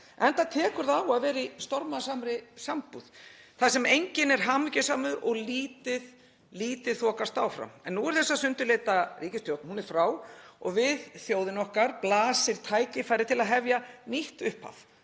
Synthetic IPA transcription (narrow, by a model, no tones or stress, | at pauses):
ɛnt̪at̪ʰɛːkʏɾðaːwaðvɛːɾist̪ɔɾmaðsamɾɪsampuð̥θasɛmejɲcɪnɛɾ̥ɦaːmʏcɪsaːmʏðʔɔɣliːt̪ɪð | liːt̪ɪ̥θɔːkast̪aːwfɾa̰mɛnːuːɛɾ̥θɛsːasʏnt̪ʏleːt̪ariːcɪst̪jowt̪nhunɛɾ̥fɾaːwɔ̰ɣvɪðθjowðɪnɔhkaɾplaːsɪɾ̥t̪ʰaːjcɪfaːjɾɪt̪ʰɪlaðɦɛvjaniht̪ʏhpha̰f